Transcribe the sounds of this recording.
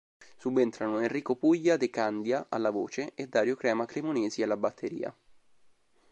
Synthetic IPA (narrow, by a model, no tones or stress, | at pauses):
subːent̪ɾanoenriːkopuʎːad̪ekand̪jaʔa̰lːavo̰ːt͡ʃeed̪ːaːɾjokɾɛːmaklemoneːzialːabat̪ʰːeɾḭːa̰